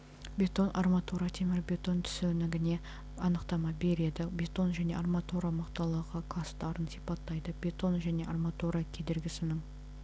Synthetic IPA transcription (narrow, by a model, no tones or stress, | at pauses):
bʲe̞t̪o̞nʔɑrmat̪oɾat̪ʰemɪɾbʲe̞t̪o̞nt̪ʰʏ̥senɪɡʲɪne̞ | ɑnəqt̪ɑmɑbe̞ɾe̞d̪ɪbʲe̞t̪o̞nʒæne̞armat̪oɾamɑqt̪ɑlˠəʁəqʰɑst̪ɑɾənsipɑt̪ːɑjd̪əbʲe̞t̪o̞nʒæne̞ʔarmat̪oɾakʲʰe̞d̪eɾɡʲɪsɪnɪm